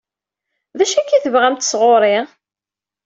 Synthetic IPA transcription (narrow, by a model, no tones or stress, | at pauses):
ðæʃækːiθəvʁæmt̪ə̥sʁoɾˤɪʁ